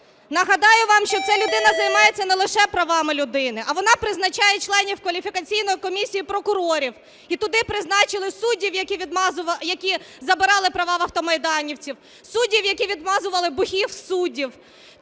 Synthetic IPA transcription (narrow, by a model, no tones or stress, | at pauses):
nɐɦɐd̪ɑjʊʋɑmʃt͡ʃɔt̪sɛlʲʊd̪ɪnɐzɐjmɑjet͡sʲːɐnɛlˠɪʃɛpɾɐʋɑmɪlʲʊd̪ɪnɪʔɐʋɔnɑpɾɪznɐt͡ʃɑjɛt͡ʃlˠɛnʲiwkʋɐlʲifʲikɐt͡sʲijnɔjikɔmʲisʲijipɾɔkʊɾɔɾʲiw | it̪ʊd̪ɪpɾɪznɑt͡ʃɪlˠɪsudʲiwjɐkʲiʋʲid̪mzʊjɐkʲizɐbɪɾɑlˠɪpɾɐʋɑʋɐwt̪ɔmɐjd̪ɑnʲiwt͡sʲiw | sudʲiwjɐkʲiʋʲid̪mɑzʊʋɐlˠɪbʊhʲiwsudʲiw